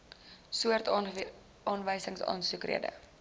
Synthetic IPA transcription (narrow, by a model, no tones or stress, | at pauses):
suərt | ɑːnvəjsəŋsɑ̰ːnsukrḭədə̰